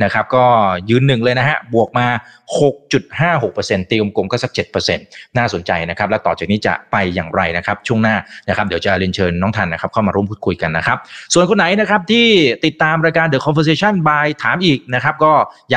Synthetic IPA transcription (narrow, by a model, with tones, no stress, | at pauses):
na˦˥kʰa˦˥p̚kɔː˥˩jɯː˧nːɯ˨˩ŋlɤː˧jna˦˥ɦa˦˥bu˨˩ək̚maː˧ho˨˩k̚t͡ɕu˨˩t̪̚haː˥˩ɦo˨˩k̚pɤː˧se˧nt̪iː˧mko˧mkɔː˥˩sa˦˥k̚t͡ɕe˨˩t̪̚pɤː˧se˧nːaː˥˩so˨˩˦nt͡ɕa˧jna˦˥kʰa˦˥p̚lɛ˦˥t̪ɔː˨˩t͡ɕaː˨˩k̚niː˦˥t͡ɕa̰˨˩pa˧jːa̰ː˨˩ŋɾa˧jna˦˥kʰa˦˥p̚t͡ɕʰu˥˩əŋnaː˥˩na˦˥kʰa˦˥p̚d̪wt͡ɕa˨˩li˧nt͡ɕʰɤː˧nːɔː˦˥ŋt̪ʰa˧nːa˦˥kʰa˦˥p̚kʰa˥˩wmaː˧ɾu˥˩mpʰuː˥˩kʰu˧jka˧nːa˦˥kʰa˦˥p̚su˨˩ənkʰo˧nːa˨˩˦jna˦˥kʰɾa˦˥p̚t̪ʰiː˥˩t̪i˨˩t̪ːaː˧mɾaː˧jkaː˧ndɯː˨˩kʰɔ˧nfəː˧seː˧˥t͡ɕʰa˥˩nbaː˧jt̪ʰaː˩˦mʔiː˨˩k̚na˦˥kʰa˦˥p̚kɔː˥˩ja˨